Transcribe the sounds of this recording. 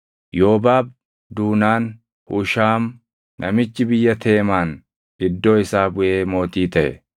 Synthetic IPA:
joːbaːb̚ | d̪uːnaːn | hʊʃaːmː | ʔɐ̰mɪt͡ʃːɪbɪjːɐt̪ʰeːmaːn | ɪd̪ːo̞ːɪsaːbʊʔe̞ːmo̞ːt̪iːt̪ɐʔɛ̰

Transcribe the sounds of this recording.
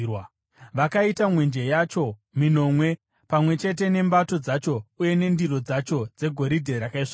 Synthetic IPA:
w | ʋakaitamwe̞nd͡ʒe̞jat͡ʃo̞ | mino̞ːmwe̞ | pamwe̞t͡ʃe̞t̬e̞ne̞mbato̞d͡zat͡ʃo̞uje̞ne̞ndiro̞d͡zat͡ʃo̞d͡ze̞ɡʱo̞ɾidʱe̞ɾakaiʂa

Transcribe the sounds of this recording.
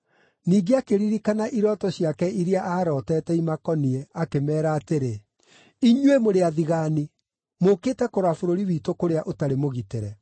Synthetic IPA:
niːɡeakeɾiɾikanaʔiɾɔtɔɕjakɛiɾeaʔaːɾɔːtɛːtɛimakɔniɛakemɛːɾaːteɾe | iɲwemoɾeaðiɣaːni | mokeːtɛkoɾafoɾoɾiwitokoɾeaʔotaɾemoɣiteɾɛ

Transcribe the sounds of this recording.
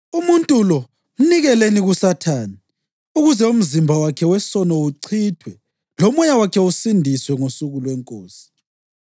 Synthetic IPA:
umuntʼulɔ | m̩niɣɛleniɣusatʰaːni | uɣuzɛum̩zimbʱawakʰɛwɛsɔnɔuǀʰiːtʰwɛ | lɔmɔjawakʰɛusindʱiswɛŋosuɣulwɛŋkʼoːsi̥

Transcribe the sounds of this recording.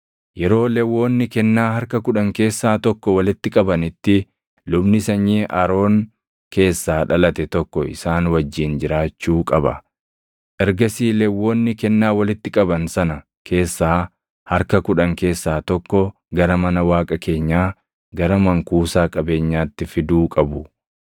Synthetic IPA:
jɛɾo̞ːlɛwːo̞ːnːɪkɛnːaːhɐɾkɐkʊᶑɐŋke̞ːsːaːt̪ɔkːɔwɐlɪt̪ːɪkʼɐbɐnɪt̪ːɪ | lʊbnɪsɐɲːiːʔɐɾo̞ːŋ | ke̞ːsːaːᶑɐlɐt̪ɛt̪ɔkːɔɪ̰saːnwɐd͡ʒːiːnd͡ʒɪɾaːt͡ʃːuːkʼɐbɐ̰ | ʔɛɾɡɐsiːlɛwːoːnːɪkɛnːaːwɐlɪt̪ːɪkʼɐbɐnsɐnɐ | kʰe̞ːsːaː | hɐɾkɐkʊᶑɐŋke̞ːsːaːt̪ɔkːɔ | ɡɐɾɐmɐnɐwaːkʼɐkʰe̞ːɲːaː | ɡɐɾɐmɐŋkuːsaːkʼɐbe̞ːɲːaːt̪ːɪfɪd̪uːkʼɐbʊ

